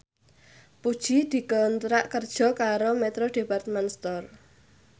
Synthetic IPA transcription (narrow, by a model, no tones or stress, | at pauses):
pud̥ʒ̥id̪̥i̤kɔnt̪ɾaʔkərd̥ʒ̥ɔ̤kaɾomɛt̪ɾoɖ̥e̤part̪manst̪ɔr